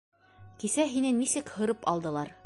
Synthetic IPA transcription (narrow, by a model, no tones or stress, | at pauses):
kisæɦinɘnisɘkhɤ̆ɾɤpɑlˠd̪ɤ̆lˠɑɾ